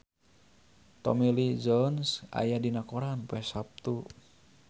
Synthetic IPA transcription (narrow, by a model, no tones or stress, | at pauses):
t̪ɔ̰milid͡ʒɔnsa̰jadinakɔɾanpɛsap̚t̪u